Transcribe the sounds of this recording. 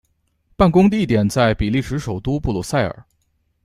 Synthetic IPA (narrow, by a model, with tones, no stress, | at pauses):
pa˥˩nkʊ˥ŋd̪ə˧i˥˩t̪jɛ˨˩nt͡sa˥˩ɪpi˨˩li˥˩ʂɻ̩˧˥ʂo˨˩ʊt̪u˥pu˥˩lɔ˥˩sa˥˩ɪə̰˞˨˩˦